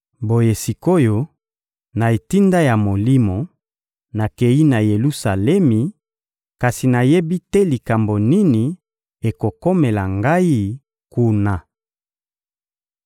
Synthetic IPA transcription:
bo˨je˨si˨ko˦jo˨ | na˨e˨ti˦nda˦ja˨mo˨li˦mo˨ | na˨ke˨i˦na˨je˨lu˦sa˨lɛ˦mi˨ | ka˨si˨na˨je˦bi˦tɛ˦li˨ka˨mbo˨ni˦ni˨ | e˨ko˨ko˦me˨la˨ŋɡa˦i˦ | ku˦na˨

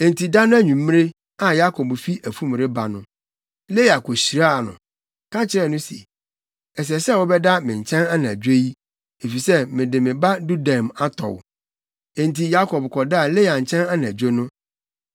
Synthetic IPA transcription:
e˨n˨tʰi˨da˦nʊ̃˦æ˦ɲũ˨m̩˦m˦e˦ | ã˨ja˦kʰɔ˨bfi˦ʔæ˨fũ˦m˨ɾe˦ba˨nʊ̃˦ | le˦ja˨ko˨ɕi˨ɾa˦˨nʊ̰̃˨ | kã˦t͡ɕʰɪ˨ɾɛ˦˨nʊ̃˦sḭ˨ | ɛ˨s̬ɛ˨sɛ˦˨wɔ˦bɛ˦da˦mɪ̃˨ɲ˨t͡ɕʰɛ̃˦na˦nã˨d͡ʑᶣe˦ji˦ | e˨fi˨sɛ˦mɪ̃˨dɪ˨mɪ̃˨ba˦du˦da˨ma˦tʰɔ̰˨w | ẽ˨nti˨ja˦kʰɔ˨bkʰɔ˨da˦˨le˦ja˨ɲ̩˨t͡ɕʰɛ̃˦na˦nã˨d͡ʑᶣo˦nʊ̃˦

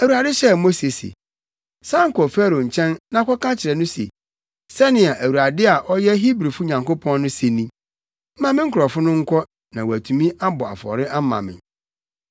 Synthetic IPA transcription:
æ˨wu˨ɾa˨dɪ˦ɕɛ˦mo˦se˨sḛ˨ | sã˦ŋ˦kɔ˨fɛ˦ɾo˨ɲ̩˨t͡ɕʰɛ̃˦nːã˦kʷʰɔ˦kã˦t͡ɕʰɪ˨ɾɛ˨nʊ̃˦sḛ˨ | sɛ˦nɪ̃˨a˨ʔæ˨wu˨ɾa˨dɪ˦a˨ʔɔ˦jɛ˦ɦi˦bɾi˨fʊ˦ɲã˨ŋko˦pʰɔ̃˦nːʊ̃˦se˨nĩ˦ | m̩˦mã˦mɪ̃˦ŋ̩˦kʰʊ˨ɾɔ˨fʊ˦nʊ̃˦ŋ̩˦kʰɔ˦ | nã˨wæ˨tʰũ˨mĩ˦ʔa˦bɔ˨a̰˨fɔ̰˨ɾɪ˦ʔa˦mã̰˨mɪ̰̃˨

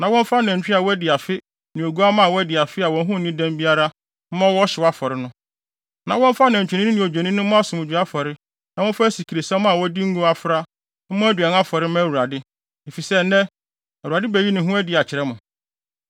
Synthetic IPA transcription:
nã˨wɔ̃˦m˦fa˦nɛ̃˨ɲ˨t͡ɕᶣi˦a˨wɔ˦æ˦dɪ˨a˨fɪ˦ | nɪ̃˨o˨ɡu˦a˦mã˦˨wɔ˦æ˦dɪ˨a˨fɪ˦a˨wɔ̃˨n˦ɦʊ̃˦˨nɪ̃˦dæ̃˦mbi˦a˦ɾa˦ | m̩˦mã˦wɔ˦ɕɪ˨wa˦fɔ˨ɾɪ˦nʊ̃˦ | nã˨wɔ̃˦m˦fa˦nɛ̃˨ɲ˨t͡ɕᶣɪ˨nɪ̃˦nɪ̃˦nɪ̃˨o˨d͡ʑᶣɛ˨nĩ˦nʊ̃˦ʊ̃˦a˦sʊ̃˨mʊ˨d͡ʑᶣi˨a˦fɔ˨ɾɪ˦ | nã˨wɔ̃˦fa˦æ˦si˨kʰi˨ɾe˨sɛ̃˦m˦a˨wɔ˦di˦ŋ̩˦ɡu˦a˦fɾa˦ | m̩˦mʊ̃˦æ˦dɥɛ˨n˦a˦fɔ˨ɾɪ˦mã˦æ˨wu˨ɾa˨dɪ˦ | e˨fi˨sɛ˦nɛ̃˦ | æ˨u˨ɾa˨dɪ˦bæ˨ji˦nɪ̃˨ɦʊ̃˦æ˦dɪ˨a˨t͡ɕʰɪ˨ɾɛ˦mʊ̃˨

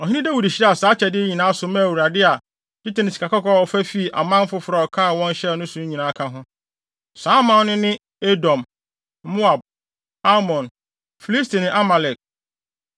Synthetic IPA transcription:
ɔ˨ɦĩ˦nĩ˦dæ˦wu˨di˨ɕi˦ɾɛ˦a˨saː˨˦t͡ɕʰɛ˨dɪ˦e˦ɲĩ˨nãː˦sʊ˨mã˦˨wu˨ɾa˨dɪ˦a˨ | di˦tɪ˨nɪ̃˨si̥˨kʰa˨kʰɔ˦kɔ˦a˨ɔ˨fæ˦fi˦˨ʔa̰˨mã˦m̩˦fʊ˦fʊ˨ɾa˨ɔ˨kʰã˦˨wɔ̃˦n˦ɕɛ˦˨nʊ̃˦sũ˨˦ɲĩ˨nãː˨˦kʰã˦ɦʊ̃˦ | saː˦mã˦nɪ̃˦nɪ̃˦ | e˦dɔ̃˨m | mo˦a˨b̚ | a˦mɔ̃˨n | fi˨li˦stʰi˨nɪ̃˨ʔa˦ma˨lɛ˨k̚

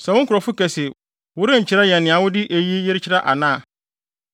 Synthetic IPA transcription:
sɛ˨wʊ̃˦ŋ˦kʰʊ˨ɾɔ˨fʊ˦kæ˨se˨ | wʊ˦ɾɪ̃˦ɲ̩˨t͡ɕʰɪ˦ɾa˦jɛ˨nːɪ̃˨a˨wʊ˦dɪ˦ʔe˨ji˦je˦ɾɪ˦t͡ɕʰɪ˦ɾa˦ʔa˨nãː˦˨

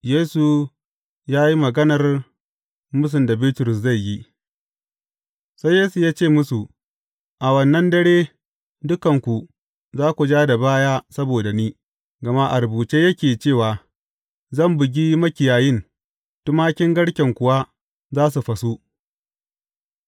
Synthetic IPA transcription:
jeː˦su˨ | jaː˦ji˦mɐ˨ɡɐ˦nɐ˨r | mʊ˦s̬ʊ˨nda˨biː˦tʊ˨ɾʊ˨s̬za˦˨jːi˦ | sa˦jːeː˦su˨jaː˦t͡ʃeː˦˨mʊ˦su˨ | ʔa˨wɐ˨nːɐ˦ndɐ˦ɽeː˦ | dʊ˦kɐ˨ŋkʷu˨ | zaː˦kʷu˨d͡ʒaː˦da˨baː˦jaː˦sɐ˦boː˨da˨niː˦ | ɡɐ˨ma˦ʔa˨ɾbuː˨t͡ʃeː˦jɐ˦kʲeː˨t͡ʃeː˦˨waː˨ | zɐ˦˨mbʊ˨ɡʲi˦mɐ˦kʲɪ˨jaː˨jɪ˦n | tʊ˦maː˦kʲɪ˦ŋɡɐ˦ɽkʲɛ˨ŋkʷʊ˨wa˦ | zaː˦s̬u˨ɸɐ˨su˦

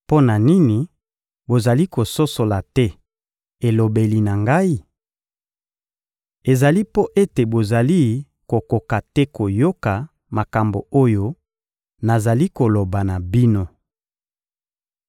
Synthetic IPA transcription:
po˦na˨ni˦ni˨ | bo˨za˨li˦ko˨so˦so˨la˨tɛ˦ | e˨lo˨be˨li˨na˨ŋɡa˦i˦ | e˨za˨li˦po˦ʔe˦te˨bo˨za˨li˦ | ko˨ko˨ka˨tɛ˦ko˨jo˦ka˨ | ma˨ka˨mbo̰˨o˦jo˦ | na˨za˨li˦ko˨lo˨ba˨na˨bi˦no˦

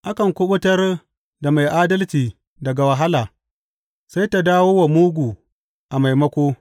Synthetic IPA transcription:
ʔa˦kɐ˨ŋkʷʊ˦ɓʊ˦tɐ˦r | da˨ma˨jʔaː˦dɐ˦lt͡ʃiː˨ | dɐ˨ɡa˨wɐ˨ɦa˦laː˨ | sa˦jta˨daː˦woː˦wa˨muː˦ɡʷu˨ | ʔa˨ma˨jmɐ˦kʷoː˦

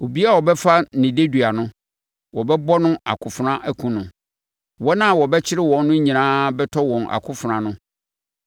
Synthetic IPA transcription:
o˨bi˦a˦wɔ˨bɛ˦fa˦nɪ̃˨de˦du˨a˨nʊ̃˦ | wɔ˨bɛ˦bɔ˦nʊ̃˦a̰˨kʰʊ˨fʊ˨ɾã˦ʔæ˨kʰũ˦nʊ̃˨ | wɔ˦nã˦˨wɔ˨bɛ˦t͡ɕʰɪ˦ɾɪ˦wɔ̃˨˦nː˦ʊ̃˦ɲĩ˨nãː˦bɛ˦tʰɔ˦wɔ̃˨nʔa̰˨kʰʊ˦fʊ˨ɾã˨nʊ̃˦

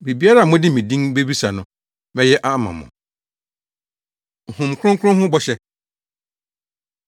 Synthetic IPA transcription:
bi˨bi˦a˦ɾa˦˨mʊ̃˦dɪ˦mĩ˨dĩ˦ŋbe˦bi˦sa˨nʊ̃˨ | mɛ̃˦jɛ˦ʔa˦mã̰˨mʊ̰̃˨ | hʊ̃˨mkʰʊ˦ʊ̃˦ŋ˦kʰʊ̃˦ɦʊ̃˦bɔ˦ɕɛ˦

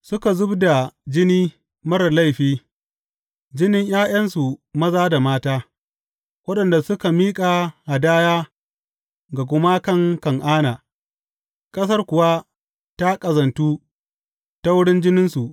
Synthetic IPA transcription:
sʊ˦ka˨zʊ˦bda˨d͡ʒɪ˦niː˦ | mɐ˦ɾɐ˨la˦˨jɸiː˦ | d͡ʒɪ˦nɪ˦ɲj̰aː˦j̰ɐ˦nsu˨mɐ˦zaː˦da˨maː˦taː˦ | wɐ˦ɗɐ˨nda˨sʊ˦ka˨miː˦kʼa˨ha˨daː˦jaː˦ | ɡa˨k̬ʷʊ˦ma˦kɐ˦ŋkɐ˨ŋʔaː˦naː˨ | kʼɐ˦s̬ɐ˦rkʷʊ˨wa˦ | ta˦kʼɐ˨zɐ˨ntuː˦ | ta˦wʊ˦ɽɪ˦nd͡ʒɪ˦nɪ˦nsu˨ʔ

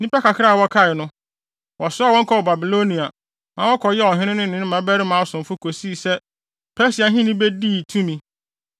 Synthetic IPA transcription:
nĩ˦pɛ˦kʰa˨kʰɪ˦ɾa˦˨wɔ˦kʰa˦˨ɪ˨nʊ̃˦ | wɔ˨sʊ˦a˨wɔ̃˦ŋ̩˦kʰɔ˦˨ba˨bi˨lo˦nĩ˨a˨ | mã˨˦wɔ˦kʰɔ˨jɛ˦ɔ˨ɦɪ̃˦nɪ̃˦nʊ̃˦nɪ̃˨˦nʊ̃˦mã˨˦bɛ˦ɾɪ˦mã˨˦ɔ˦sʊ̃˨m˨fʊ˦kʰo˨si˦˨sɛ˦ | pʰɛ˦si˨a˨˦ɦɪ̃˦nĩ˦bɛ˦di˦˨tʰũ˦mĩ˨

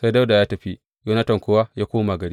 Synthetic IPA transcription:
sa˦jda˦wda˨jaː˦tɐ˨ɸi˦ | ɡɐ˦nɐ˦tɐ˨ŋkʷʊ˦wa˦jaː˦kʷoː˦ma˨ɡɐ˨ɽi˦

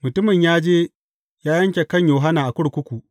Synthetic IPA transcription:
mʊ˨tʊ˦mɪ˨ɲjaː˦d͡ʒeː˦ | jaː˦jɐ˦ŋkʲe˨kɐ˦˨ɲjoː˨ɦa˦naː˨ʔa˨kʷʊ˦ɽkʷʊ˦kʷu˨ʔ

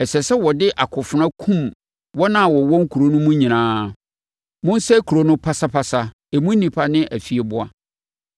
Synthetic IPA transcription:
ɛ˨sɛ˨sɛ˦wɔ˨dɪ˦ʔa˨kʰʊ˨fʊ˨nã˦kʰũ˦m | wɔ˦nã˦˨wɔ˨wɔ̃˦ŋ˦kʰu˨ɾo˦nʊ̃˦mũ˦ɲĩ˨nãː˦ | mʊ̃˦n˦sɛ˦kʰu˨ɾo˦nʊ̃˦pʰa˦sa˦pʰa˦sa˦ | ɛ˨mũ˦n̩˦nĩ˨pʰa˦nɪ̃˦ʔæ˨fi˨e˨bʊ˦a˦

